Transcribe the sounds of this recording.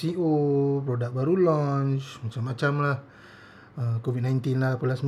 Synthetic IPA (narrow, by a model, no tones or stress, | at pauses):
siʔopɾodak̚baɾulɔnt͡ʃmat͡ʃamːat͡ʃamlah | əkovid̚najnt̪inlahpulasm